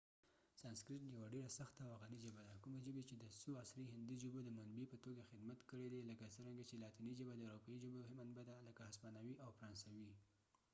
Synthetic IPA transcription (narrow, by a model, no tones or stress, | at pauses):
sɑnskɾɪʈjawaɖeɾasaxt̪aːwaɣɑnid͡ʒəbad̪akumeʒəbet͡ʃed̪əsuɑsɾiɦɪnd̪id͡ʒəbod̪əmanbipət̪oɡaxɪd̪mat̪kəɽed̪eləkasəɾaŋɡat͡ʃelɑt̪inid͡ʒəbad̪əɾapaid͡ʒəboɦɪmanbad̪aləkahaspɑnawiʔawfɾɑnsawi